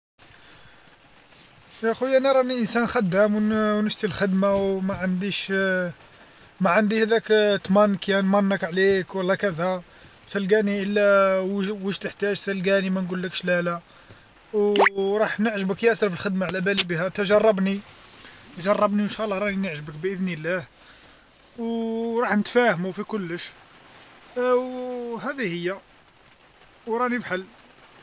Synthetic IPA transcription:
jæxujʔænæɾˤɑniʔənsænxæd̪ːæmwwnəʃt̪ilxəd̪mawmæʕand̪iʃ | mæʕand̪ihæd̪ækt̪mænkjænmɑnːəkʕlekwəlːækæd̪æ | wt̪əlɡæniʔəlːæ | wəʒt̪əħt̪æʒt̪əlɡænimænɡulːəkʃlælæ | wɾˤɑħnəʕʒəbəkjæsɾfəlxəd̪maʕlæbælibihæt̪əʒɑrˤːɑbni | t̪ʒɑrˤːɑbniənʃæʔlːɑhɾˤɑħinəʕʒəbəkbʔəd̪nilːæh | wɾˤɑħnət̪fæhəmufikʊlːəʃ | hæd̪ihəjːæ | wɾˤɑnibħalː

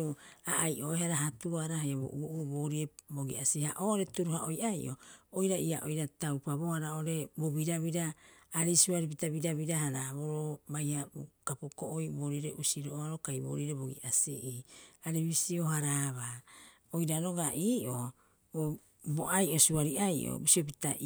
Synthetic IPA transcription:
oaʔajʔo̞eɦaɾaɦatuaɾaɦajabo̰ʔuʔuboːɾieboɡḭʔasiha̰ʔoːʔoɾe̞tuɾuɦaʔojʔajʔo̞̰ojɾaiaʔojɾatawpabo̞haɾao̞ɾe̞boβiɾaβiɾaːɾisuaɾip̬itabiɾaβiɾahaɾaβo̞ɾobajhabokapokoʔojboɾiɾeʔusiɾoʔoaɾo̞kajbo̰ːɾiɾebo̞ɡḭʔasḛʔiaɾeβisio̞ɦaɾaβa | ojɾaɾo̞ɡaʔiːʔo | o | boʔajʔo̞suaɾiʔajʔo̰bisiop̬itaʔ

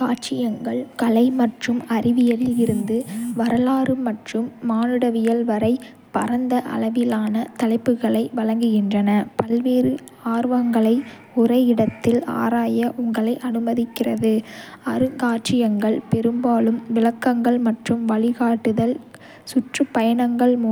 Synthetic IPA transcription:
kaːʈt͡ʃɪjɐŋɡɐɭkɐlɐɪmɐʈrɯmɐrɪʋɪjɐlɪlɪɾɯnd̪ɯʋɐɾɐlaːɾɯmɐʈrɯmːaːnɯɽɐʋɪjɐlʋɐɾɐɪ | pɐɾɐnd̪ɐʔɐ̰lɐʋɪlaːnɐt̪ɐlɐɪpːɯɣɐɭɐɪʋɐɭɐŋɡɯɣɪndrɐnɐpɐlʋeːɾɯ | aːɾʋɐŋɡɐɭɐɪ | ʊrɐɪɪɽɐt̪ːɪla̰ːɾaːjɐʔʊŋɡɐɭɐɪʔɐnɯmɐðɪkːɪrɐðɯɐɾɯkaːʈrɪjɐŋɡɐɭpɛɾɯmbaːlɯmʋɪlɐkːɐŋɡɐɭmɐʈrɯmʋɐɭɪɣaːʈːɯðɐl | sʊʈrɯpːɐjɐɳɐŋɡɐɭmu

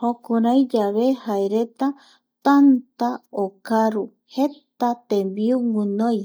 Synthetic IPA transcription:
hokuɾajd͡ʒaβehaeɾe̞t̪a | t̪ant̪aokaɾu | het̪at̪ẽmbiuŋũnoj

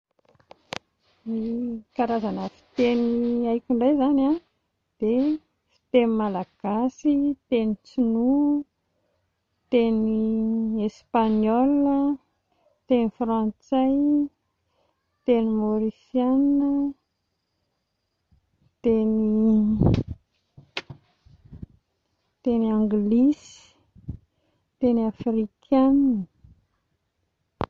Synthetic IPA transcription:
nikaɾazanəfi̥t̪eniajkʲuɳɖ͡ʐajzana | d̪̥e | fi̥t̪enimalaɡ̥asit̪enit͡sinu | t̪eniespaɲɔlə | t̪enifrãnt͡saj | t̪enimoɾisjanə | t̪eni | t̪eniãŋɡlisi̥ | t̪eniafrikʰanə

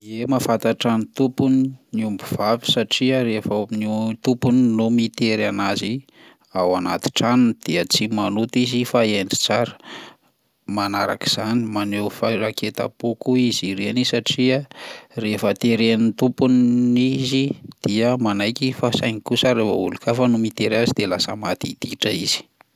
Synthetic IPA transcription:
emafat̪aʈ͡ʂanit̪upuniniumbuv̥avi̥saʈ͡ʂiəɾefnut̪upuninumit̪eɾanazi | awana̰t̪i̥ʈ͡ʂanund̪̥iət͡simanut̪izifaeɳɖ͡ʐi̥t͡saɾə̥ | manaɾa̰ki̥z̥animanewfaɾaket̪a̰pokuiziɾenisaʈ͡ʂiarefət̪eɾenit̪upunizid̪̥iəmanajkifasajŋikusaɾefəulukafənumit̪eɾazid̪elasə̰mat̪id̪̥iʈ͡ʂəiz̥i̥

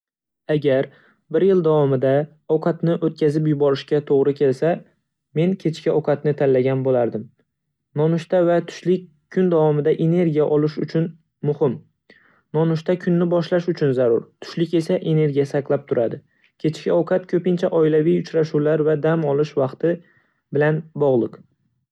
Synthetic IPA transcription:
aɡʲaɾ | bɪɾjɪlˠd̪avɒmɪd̪a | ɒwqʰɑt̪nɪʔot̪̚kʲʰazɪpjʊbɒɾɪʃkʲat̪ʰoʁɾɪkʲʰe̞lsa | me̞nkʲʰe̞t͡ʃkʲɪɒwqʰɑt̪nɪt̪ʰanlːaɡʲanbolaɾd̪ɪm | nɒnʊʃt̪avat̪ʰʊ̥ʃlɪkʲʰːʊnd̪avɒmɪd̪aʔe̞ne̞ɾɡʲijaʔɒlˠɪʃʊ̰t͡ʃʰʊn | mʊhɪm | nɒnʊʃt̪akʲʰʊnːɪbɒʃlaʃʊt͡ʃʰʊnzaɾʊɾt̪ʰʊ̥ʃlɪkʲe̞saʔe̞ne̞ɾɡʲijasaklˠap̚t̪ʰʊɾad̪ɪ | kʲʰe̞t͡ʃkʲɪɒwqʰɑt̪kʲʰɵpɪnt͡ʃʰaʔɒɪlavijʊt͡ʃʰɾaʃulaɾvad̪amɒlˠɪʃvɑqt̪ʰɪ | bɪlanbɒʁlˠɪq

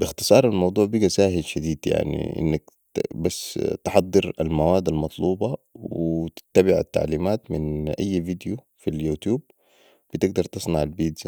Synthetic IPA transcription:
bɪxt̪ɨ̥sˤɑːɾˤalmɑwd̪ˤuːʕbiɡasaːɦilʃad̪iːd̪ja̰ʕnḭʔɪ̰nːak | basːt̪ɪħɑd̪ˤːɨɾa̰lmawaːd̪almɑt̪ˤluːbɑwɪt̪ɪ̥t̪ːabɪʕa̰t̪ːa̰ʕliːmaːt̪mɪnʔajːvid̪ju | filjuːt̪juːb̚ | b̥ɪt̪ɪɡd̪ɑɾˤt̪ɨsˤnaʕalbiːd̪

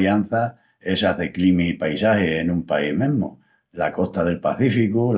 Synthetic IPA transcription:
jan̟θa | e̞saðeklimisipajsahehenũmpaihmẽmo̰ | lako̞ht̪aðe̞lpaθifikul

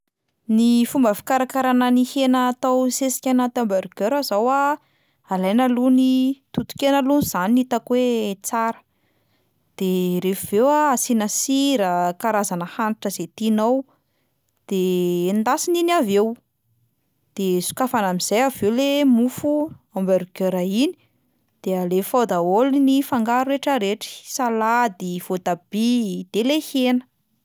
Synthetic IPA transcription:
nifumbəfi̥kaɾakaɾananihenaːt̪awsesi̥kʲanat̪ambaɾɡøɾazawa | alajnalunit̪ut̪u̥kʲenəluniz̥aniit̪akwet͡saɾə̥ | d̪̥eɾefivewaasinasiɾəkaɾazanəhaniʈ͡ʂəzet̪inaw | d̪̥end̪asininavew | d̪̥esu̥kafanamiz̥ajavewlemufuambeɾukøɾaini̥ | d̪̥eəlefawd̪aolinifaŋɡaɾueʈ͡ʂəɾeʈ͡ʂi̥salad̪iv̥od̪ab̥id̪̥elehenə̥

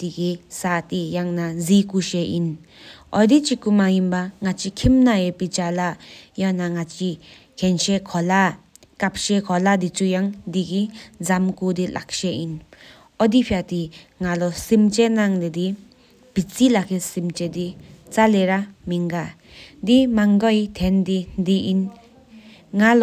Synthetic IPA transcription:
tiɡisatijaŋnazikuʃeʔin | ɔd̪it͡ʃikumajimbaŋat͡ʃikʰimnajepit͡ʃalajanaŋat͡ʃi | kʰenʃekʰɔla | kap̚ʃekʰɔladit͡ʃujaŋdiɡizamkud̪ila̰k̚ʃein | ɔdipʰiatiŋalɔsimt͡ʃenaŋded̪i | pit͡silakʰesimt͡ʃedit͡saleɾamiŋɡa | dimaŋɡɔjt̪ʰendidiin | ŋalɔ

